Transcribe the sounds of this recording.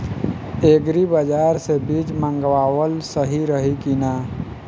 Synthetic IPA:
eːɡɾibəd͡ʒaːɾsebid͡ʒmə̃ŋɡwaːwəlsəɦiɾəɦikinaː

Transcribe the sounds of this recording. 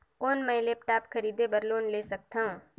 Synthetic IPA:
kɔːnmɛ̃ːleːpʈaːpkʰɐɾiːd̪ebɐɾloːnleːsɐk̚t̪aɦũː

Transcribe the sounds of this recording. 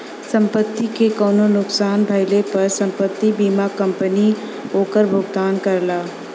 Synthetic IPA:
sə̃mpət̪ːikekəʊnonʊksaːnbʱəɪlepəɾsə̃mpət̪ːibiːmakəmpəni | oːkəɾbʱʊɡd̪aːnkəɾlaː

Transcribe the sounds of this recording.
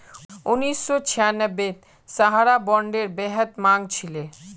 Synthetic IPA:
unisːot͡ɕʰijanəbːe | saɦaɾabɔɳɖeɾbɛɦət̪maŋt͡ɕʰile

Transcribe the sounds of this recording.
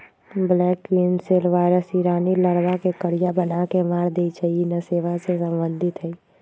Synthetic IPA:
blɛːkinselʋaːɪɾəsiːɾaːniləɾbakekəɽijabənakemaːɾd̪eit͡ʃaiinəseːʋasesə̃mbə̃nd̪ʱɪt̪ɦɛi

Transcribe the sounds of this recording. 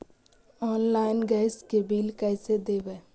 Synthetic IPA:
ɔːnlaːɪnɡɛːskebiːlkɛːsed̪eːʋeː

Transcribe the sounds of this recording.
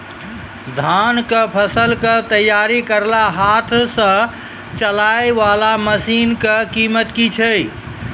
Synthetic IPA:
d̪ʱankəpʰəsəlkət̪əjːaɾikəɾlaɦat̪ʰsə̃ | t͡ʃəlaeʋalaməsinkəkimət̪kit͡ʃʰəj

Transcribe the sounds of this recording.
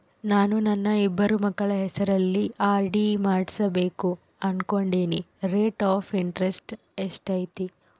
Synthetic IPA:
naːnunɐnːɐibːɐɾumɐɡːɐɭɐɦɛsɐɾɐlːiʔaːɾɖimaːɽsɐbe̞ːku | ɐnko̞ɳɖiːniɾeːʈaːfʰiɳʈɾesʈ | esʈɐjt̪i

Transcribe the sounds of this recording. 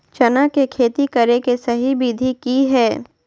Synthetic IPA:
t͡ʃɐnakekʰeːt̪ikɐɾekesɐɦibiːd̪ʱikiɦɛː

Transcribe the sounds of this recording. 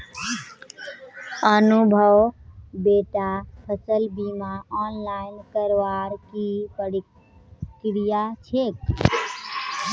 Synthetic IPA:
ənubʱəwbeʈapʰəsəlbimaɔnlainkəɾʋaɾkipəɽ | kɾijat͡ʃʰek

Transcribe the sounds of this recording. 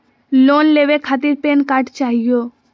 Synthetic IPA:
loːnleʋekʰaːt̪iɾpeːnkaʈt͡ʃaːɦijo

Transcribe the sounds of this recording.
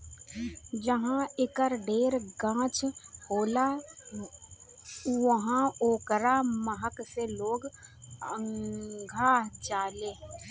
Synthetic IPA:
d͡ʒəɦãɪkəɾɖeːɾɡãːt͡ʃhoːla | wəɦãoːkəɾaːməɦəkseloːɡə̃ŋɡʱaːd͡ʒaːleː

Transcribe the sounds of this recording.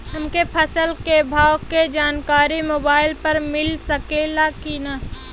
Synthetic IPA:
ɦəmkepʰəsəlkebʱaːʊked͡ʒaːnkaːɾimoːbaːɪlpəɾmɪlsəkelakina

